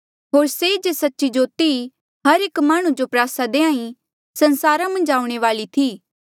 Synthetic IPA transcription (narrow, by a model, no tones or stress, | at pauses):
ɦoːɾseɪd͡ʒesɐtːʃid͡ʒoːt̪i | ɦɐɾeːkmaːɽ̃ũd͡ʒopɾaːsad̪eːãːĩ | sɐ̃nsaːɾãmɐ̃nd͡ʒaːũɽ̃eʋaːlit̪ʰiː